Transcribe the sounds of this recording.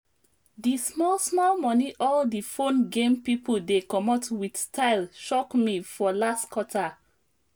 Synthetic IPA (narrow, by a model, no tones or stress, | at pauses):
dismɔlsmɔlmɔniʔɔldifõnɡẽmpipʰoldekɔmɔtwidstʰaɪlʃɔkmifɔlastkɔtʰa